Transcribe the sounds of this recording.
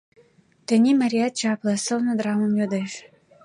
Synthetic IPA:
t̪ə̆nʲimaɾʲiat̪̚t͡ɕɑplɤ̆sɤlnod̪ɾɑmə̆mjød̪eʃ

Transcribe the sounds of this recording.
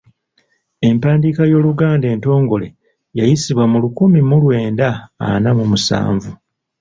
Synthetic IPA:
e̞mpaːndiːkajo̞ːluɡaːnde̞ːnto̞ːŋɡo̞le̞̰ | jajisiβwamulukumimulwe̞ːnda̰ːnamumusa̰ːɱvu

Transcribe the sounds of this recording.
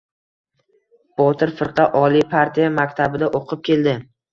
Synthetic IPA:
b̥ɒt̪ʰɪɾfɪɾqʰɑʔɒlijpʰaɾt̪ʰijamakʲt̪ʰabɪd̪aʔoqʰɨp̚kʲe̞ld̪ɪ

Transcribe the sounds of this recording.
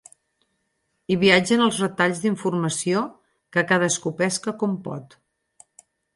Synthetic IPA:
iβiad͡ʒənəlˠzrət̪aʎzd̪iɱfurməsio | kəkað̞əskupɛskəkɔmpɔ̰t̪

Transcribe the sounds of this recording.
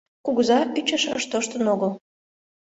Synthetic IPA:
kuɣzɑyt͡ɕəʃəʃt̪oʃt̪ənoɣəlˠ

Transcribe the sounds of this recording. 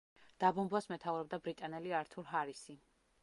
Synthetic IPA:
d̪̥abɔmbwasmɛt̪ʰauɾɔb̚d̪abɾit̪ʼanɛliaɾt̪ʰuɾɦaɾisi

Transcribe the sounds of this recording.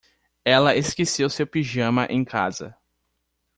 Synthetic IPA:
ɛlɐeskesewsewpiʒɐ̃mɐʔẽj̃kʰa̰zɐ̰

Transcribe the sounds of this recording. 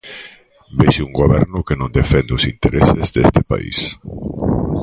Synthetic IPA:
beʃuŋɡoβɛɾnʊkenõnd̪efɛnd̪eʊsint̪eɾʔesezðḛst̪ɪpa̰ḭs

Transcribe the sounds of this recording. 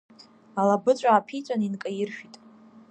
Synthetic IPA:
alabɨt͡ɕʷʼaːpʰit͡sʷʼaninkʼajɪrʃᶣitʼ

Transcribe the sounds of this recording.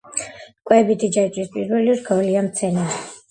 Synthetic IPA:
kʼwɛbit̪ʰid͡ʒait͡ʃ̪ʼwispʼḭɾwɛliɔɾɡawliamt̪sʰɛni

